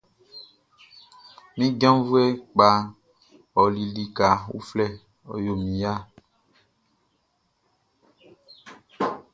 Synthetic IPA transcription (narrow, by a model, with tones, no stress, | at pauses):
mĩ˦ɡã˦vu˦e˦k͡pa˨ | ɔ˨li˨li˨ka˨wṵ˦flɛ˦ | ɔ̰˨jo˨mĩ˨ja˦